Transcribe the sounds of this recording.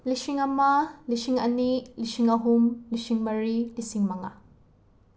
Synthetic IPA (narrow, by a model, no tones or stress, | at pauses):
lisiŋɐmalisiŋɐ̰niʔlisiŋɐɦumlisiŋmɐɾilisiŋmɐŋa̰